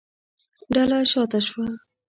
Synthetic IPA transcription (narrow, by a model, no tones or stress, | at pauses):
ɖalaʃɑt̪aʃwa